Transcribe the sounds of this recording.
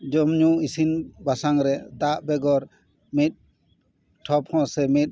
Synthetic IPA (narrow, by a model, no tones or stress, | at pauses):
d͡ʒɔmɲuisinbasaŋɾɛd̪aʔbɛɡɔɾ | mit̪̚ˀ | ʈʰɔp̚hɔ̃sɛmit̪̚